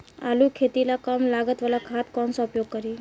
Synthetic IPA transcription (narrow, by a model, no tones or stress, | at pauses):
a̰lukʰet̪ilakəmlaɡət̪ʋalakʰat̪kɔnsaupjoɡ̚kəɾi